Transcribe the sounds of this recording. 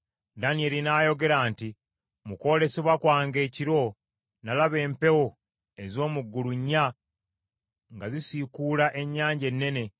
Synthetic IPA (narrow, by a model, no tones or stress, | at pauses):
danie̞linaːjo̞ɡe̞ɾaːnti | muko̞ːle̞seβwakwaːŋɡe̞ːciɾo̞ | nalaβe̞ːmpe̞wo | e̞zo̞ːmuɡːuluɲːa | ŋɡazisikulaʔe̞ɲːaːɲɟe̞nːe̞ne̞